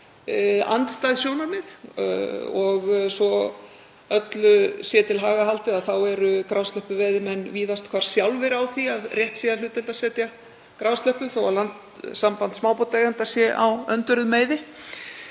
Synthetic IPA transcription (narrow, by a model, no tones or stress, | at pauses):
a̰nt̪st̪ajðsjownaɾmɪð | ɔɣsɔ | œt̪lʏsjɛt̪ʰɪlɦaːɣaɦal̥t̪ɪaðθawɛɾʏkɾawst̪œhpʏvɛːðɪmɛnːviːðast̪kʰvaɾ̥sjawlvɪɾawθiaðrjɛht̪sialʏːt̪ɪlt̪asɛːt̪ja | kɾawst̪œhpʏθowalant̪ | sampant̪smaːwpot̪aːjɣant̪asjɛʔa̰wœnt̪ʏɾʏðmeːjðɪ